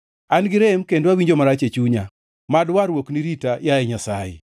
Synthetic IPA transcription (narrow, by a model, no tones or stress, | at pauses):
anɡɪɾemkendwawiɲd͡ʒomaɾat͡ʃet͡ʃuɲa | madwaɾwokniɾitajaɛɲasajɪ̰